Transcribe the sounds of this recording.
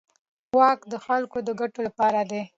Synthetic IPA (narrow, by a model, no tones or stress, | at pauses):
wɑkd̪əxalkod̪əɡaʈolapɑɾad̪e